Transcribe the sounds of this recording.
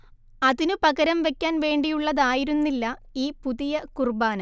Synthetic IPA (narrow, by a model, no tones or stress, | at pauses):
ɐðinɨpɐɣɐɾɐmʋe̞kʲːaːnʋe̞ːɳɖijuɭːɐðaːjiɾunːilːɐiːpuðijɐkurbaːnɐ